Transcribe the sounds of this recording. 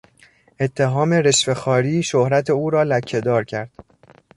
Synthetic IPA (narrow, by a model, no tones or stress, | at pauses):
ʔe̞t̪ʰːe̞ɦɒːme̞ɾe̞ʃfe̞xɒːɾiːʃohɾæt̪ʰe̞uːɾɒːlæcʰːe̞d̪ɒːɾcʰæɾd̪̥